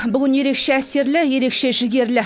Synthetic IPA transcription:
bʏɡʲɪnje̞ɾe̞kʃeæse̞ɾlɪje̞ɾe̞kʃe̞ʒɪɡʲe̞ɾlɪ

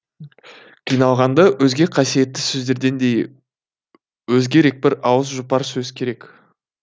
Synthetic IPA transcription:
qʰijnɑlˠʁɑnd̪ɑwɵzɡʲe̞qʰɑsije̞t̪ːɪsɵzd̪e̞ɾd̪e̞nd̪e̞j | wɵzɡʲe̞ɾe̞k̚bɪɾɑwəsʒʊpɑɾsɵzkʲʰe̞ɾe̞k

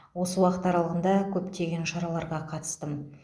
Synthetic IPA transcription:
wo̞səwɑqət̪ɑɾɑlˠəʁənd̪ɑkʲʰɵpt̪e̞ɡʲe̞nʃɑɾɑlˠɑɾʁɑqʰɑt̪ə̥st̪əm

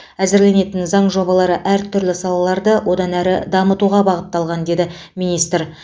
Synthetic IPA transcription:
æzɪɾle̞ne̞t̪ɪnzɑɴʒo̞bɑlˠɑɾəʔæɾt̪ʰʏɾlɪsɑlˠɑlˠɑɾd̪əwʔo̞d̪ɑnæɾɪd̪ɑmət̪uʁɑbɑʁət̪ːɑlˠʁɑnd̪e̞d̪ɪ | mijnijst̪ɾ

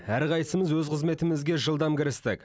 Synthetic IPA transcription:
æɾqɑjsəməzwɵzqʰəzme̞t̪ɪmɪzɡʲe̞ʒəlˠd̪ɑmkʲɪɾɪst̪ɪk

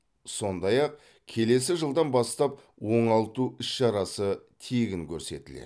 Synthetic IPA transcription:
so̞nd̪ɑjɑq̚ | kʲʰe̞le̞sɪʒəlˠd̪ɑnbɑst̪ɑp̚ | wo̞ɴɑlˠt̪uʏsʃɑɾɑsət̪ʰeɡʲɪŋkʲʰɵɾse̞̰t̪ɪlḛ

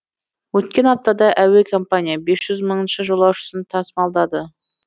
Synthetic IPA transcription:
wɵt̪kʲe̞nɑp̚t̪ɑd̪ɑʔæwe̞kʰo̞mpanʲijabe̞sʒ̥ʏzməɴənʃəʒolˠɑwʃə̥sənt̪ʰɑsmɑlˠd̪ɑd̪ə

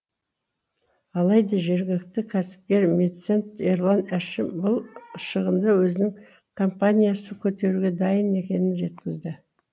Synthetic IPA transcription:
ɑlˠɑjd̪ɑʒe̞ɾɡʲɪlɪk̚t̪ɪkʲʰæsɪ̥p̚kʲe̞ɾmʲet̪se̞nt̪eɾlˠanæʃɪmbʊlˠəʃəʁənd̪ɑwɵzɪnɪŋ | kʰo̞mpanʲijasəkʲʰɵt̪e̞ɾuɡʲe̞d̪ɑjəne̞kʲe̞nɪnʒe̞t̪kʲɪzd̪ɪ

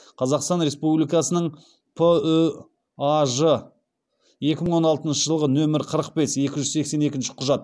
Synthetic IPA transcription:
qʰɑzɑqst̪ɑnɾe̞spublijkɑsənəɴ | pʰə | aʒə | je̞kʲɪməɴwo̞nɑlˠt̪ənʃəʒəlˠʁənɵmɪɾqʰəɾəq̚pe̞sje̞kʲɪʒʏzse̞kse̞ne̞kʲɪnʃɪ̥qʰʊʒɑt̪

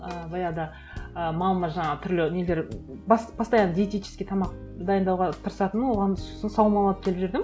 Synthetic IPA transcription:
əbɑjɑd̪ɑ | əmɑlˠmɑʒɑɴɑʁət̪ʰʏɾlɪnele̞ɾ | bɑsb̥ʰɑst̪ɑjɑnd̪ʲet̪ejt͡ʃʰɪ̥skʲe̞t̪ʰɑmɑq | d̪ɑjənd̪ɑwʁɑt̪ʰəɾəsɑt̪ənwo̞ʁɑnso̥sənsɑwˠəmɑlˠɑnəp̚kʰʲe̞lpʒɪɾd̪ɪm

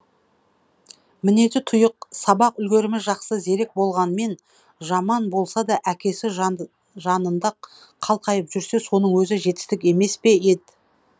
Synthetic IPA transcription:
mɪne̞t̪ɪt̪ʰʊjəq̚sɑbɑqʏlɡʲe̞ɾɪmɪʒɑqsəze̞ɾe̞k̚bo̞lˠʁɑnme̞n | ʒɑmɑnbo̞lˠsɑd̪ɑʔækʲe̞sɪ | ʒɑnənd̪ɑ | qʰɑlˠqʰɑjəpʒʏɾse̞so̞nəɴwɵzɪʒe̞t̪ɪ̥st̪ɪkʲe̞me̞spe̞ed̪ɪ

